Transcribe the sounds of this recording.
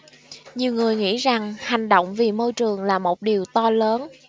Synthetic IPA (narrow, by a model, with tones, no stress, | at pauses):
ɲi˨˩əwŋɨ˨˩əjŋḭ˧˥za˨˩ŋha˨˩jŋ̟ɗo̰˧˨wŋ͡mvi˨˩mo˧jt͡ɕɨ˨˩əŋlaː˨˩mo˨˩t̚ɗi˨˩əwt̪ɔ˧ləː˨˦n